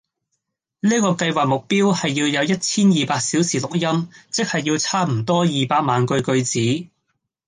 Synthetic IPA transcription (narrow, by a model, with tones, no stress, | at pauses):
niː˥kɔː˧kɐ˧jwaː˨k̚mʊ˨k̚piː˥whɐ˨jːiː˧wjɐ˨˧wjɐ˥t̚t͡sʰiː˥njiː˨paː˧k̚siː˨˥wsiː˨˩lʊ˨k̚jɐ˥mt͡sɪ˥k̚hɐ˨jːiː˧wt͡sʰaː˥m̩˨˩t̪ɔː˥jiː˨paː˧k̚maː˨nkɵ˧ɥkɵ˧ɥt͡siː˨˥